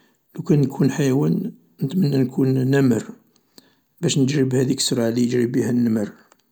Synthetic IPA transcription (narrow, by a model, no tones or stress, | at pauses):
lukænːkʰunħajwæn | nət̪mənːænkʰunːæməɾ | bæʃnəd͡ʒɾəbhæd̪iksɾˤɑʕlijəd͡ʒɾibihænːəməɾ